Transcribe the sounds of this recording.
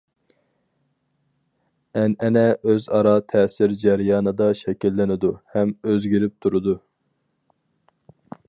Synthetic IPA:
ɛnɛnɛʔøzɑɾɑt̪ʰɛːsɪɾd͡ʒɛɾjɑːnɨd̪ɑʃɛkʲilːɪnɪd̪uhɛmøzɡʲiɾɪp̚t̪ʰuɾud̪u

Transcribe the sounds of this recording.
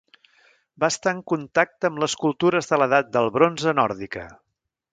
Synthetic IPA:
baəst̪aəŋkunt̪ak̚t̪əmləskulˠt̪uɾəzðələðat̪̚d̪əlˠβɾonzənɔɾðikə̰

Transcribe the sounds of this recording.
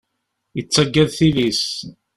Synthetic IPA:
jət͡sːəɡːæðθilis

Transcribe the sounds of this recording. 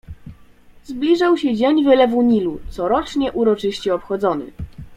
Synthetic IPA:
zblʲiʐawɕɛd͡ʑeɲvɘlɛvuɲilut̪sɔɾɔt͡ʂɲɛʔuɾɔt͡ʂɘɕt͡ɕɛɔpxɔd̪zɔnɘ̰

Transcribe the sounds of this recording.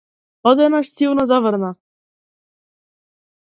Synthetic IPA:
ɔd̪ɛnaʃsiwnazavəɾna

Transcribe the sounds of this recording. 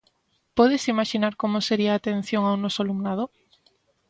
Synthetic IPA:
poðesimaʃinaɾkomoseɾiaːt̪en̟θjoŋawnɔsalumnaðo

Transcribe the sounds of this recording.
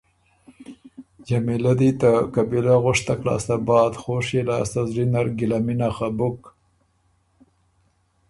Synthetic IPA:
d͡ʒamilad̪it̪akabilaɣʊʂt̪aklɑ̰ːst̪abɑːd̪xoʂelɑ̰ːst̪azɾinaɾɡɪlaminaxabʊk

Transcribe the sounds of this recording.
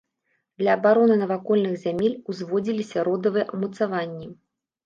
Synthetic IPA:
d̪lʲɐːbaɾɔnɨnɐvakɔlʲnɨxzʲamʲelʲuzvɔd͡zʲilʲisʲɐɾɔd̪ɐvɨjɛʔɐmut̪savanʲːi

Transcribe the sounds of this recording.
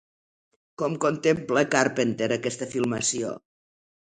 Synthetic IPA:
kɔmkont̪empləkaɾpent̪eɾəkɛst̪əfilˠməsio̰

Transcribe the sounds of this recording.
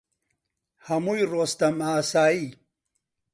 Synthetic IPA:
hɐmujɾost̪ɐmaːsaːi

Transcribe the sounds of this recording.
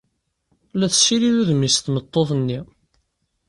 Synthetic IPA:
læθə̥ʃiɾiðuðmisθnət̪ˤːoθnːi

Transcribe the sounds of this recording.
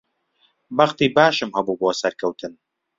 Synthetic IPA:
bɐχt̪iːbaːʃɨmhɐbuːboːsɐɾkʰɐwt̪ʰɨn

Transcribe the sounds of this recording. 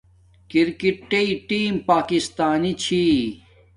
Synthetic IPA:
kiɾkiʈʈːeiʈiːmpaːkist̪aːnit͡ɕʰi

